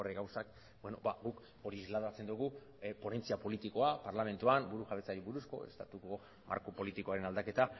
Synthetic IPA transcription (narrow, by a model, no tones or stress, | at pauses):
reɣawsak | bwenobaɡuk | o̞ɾiːzlaðat͡se̞nd̪uɣ̞u | po̞ne̞nt͡siapo̞lit̪iko̞apaɾlame̞nt̪uanbuɾuʝaβe̞t͡saɾiβuɾusko̞̰e̞̰st̪at̪uko | mʔa̰ɾkopo̞lit̪iko̞aɾe̞nald̪ake̞t̪a